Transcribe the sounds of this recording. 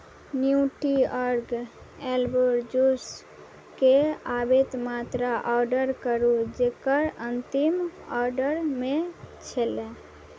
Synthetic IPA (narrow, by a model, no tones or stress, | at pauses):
njuuʈiəɾɡ | ɛlboɾd͡ʒus | keabet̪mat̪ɾaʔɔɾɖəɾkəɾud͡ʒekəɾənt̪imɔɾɖəɾmẽt͡ʃʰele